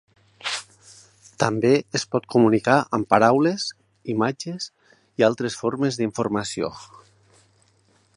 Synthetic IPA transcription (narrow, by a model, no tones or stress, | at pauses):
t̪ambeespɔt̪kumunikaʔəmpaɾawlez | imad͡ʒez | ialˠt̪ɾesfoɾmezðiɱfuɾmasio̰